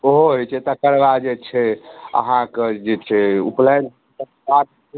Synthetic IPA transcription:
oɦoɦot͡ʃʰɛt̪ɔkəɾbad͡ʒet͡ʃʰɛə̰ɦãked͡ʒet͡ʃʰɛṵplan | t̪əkbat̪̚

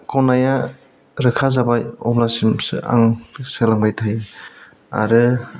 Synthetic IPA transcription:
kɔnaja | ɾɯkʰazabajɔ̰blasimsɯ̰a̰ŋselaŋbajtʰaj | a̰ɾɯ

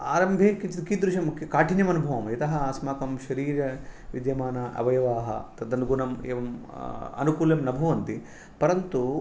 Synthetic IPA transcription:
aːɾɐmbʱeːkit͡ʃid̪kid̪ɾuʃɐmkʰjɐkaːʈʰinjɐmɐnubʱɐʋɐmjɐt̪ɐɦɐaːsmaːkɐmʃɐɾiːɾɐʋid̪jɐmaːnɐʔɐ̰ʋɐjɐʋaːɦɐ̰t̪ɐd̪ɐnɡunɐmḛːʋɐmɐ̰nukuːljɐmnɐbʱɐʋɐnt̪i | pɐɾɐnt̪u

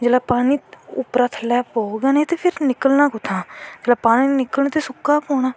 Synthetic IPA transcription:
d͡ʒeːlaːpaːniːʊpɾaːt̪ʰlɛːpoːɡaːnẽːt̪eːpʰɪɾnɪkəlnãːkʊt̪ʰãːd͡ʒeːlaːpaːniːnɪkəlnot̪eːsʊkːaːpoːɽ̃aː

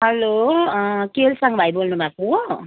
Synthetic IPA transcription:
ɦɛlo | kelsaŋɡbʱajbolnubʱaku

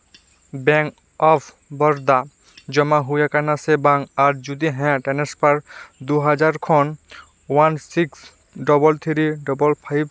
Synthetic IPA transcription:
bɛŋ | ɔpʰ | bɔɾd̪a | d͡ʑɔmaɦujakanasebaŋaɾd͡ʑud̪iɦɛ̃ʈɛnespaɾd̪uɦad͡ʑaɾkʰɔn | wansiks | ɖɔbɔlt̪ʰiɾiɖɔbɔlpʰajb

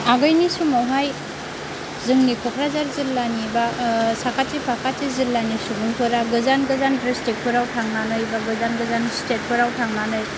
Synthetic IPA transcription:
aɡɯjnisumawɦaj | zɯŋnikʰɔkʰɾazaɾzilːanibasakʰatipʰakʰatizilːanisubuŋpʰɯɾaɡɯzanɡɯzanbɾistik̚pʰɯɾawtʰaŋnanɯjbaɡɯzanɡɯzanstet̚pʰɯɾawtʰaŋnanɯj

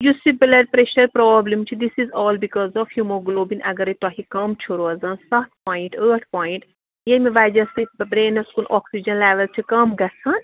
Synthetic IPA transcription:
jusibilɐɖpɾeʃɐɾpɾɔːblɐ̃mt͡ʃʰid̪isizɔːlbikɔzɔfhjumoɡloːbĩnʔɐ̰ɡɐɾit̪aɦikɐmt͡ʃʰuɾoɐzɐ̃nsɐt̪pɔːjiɳʈəːʈʰpɔːĩɳʈ | jemiʋajd͡ʒɐsibɾẽːnɐskunʔɔːksid͡ʒɐ̃nlɛʋɐlt͡ʃʰikɐmɡɐsɐn

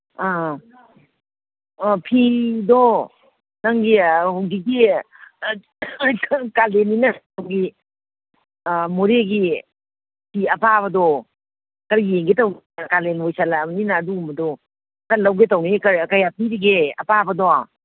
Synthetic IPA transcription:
a | pʰidɔ | naŋɡihuŋɡiɡi | kalenːinɐawɡi | moɾeɡi | pʰiɐpaβɐdɔ | kɐɾjeŋɡetɐwn | kalenojsalamninaːduumbɐdɔ | kɐlːɐwɡetɐwnikɐɾkajapʰiɾiɡeɐ̰pabɐdɔ

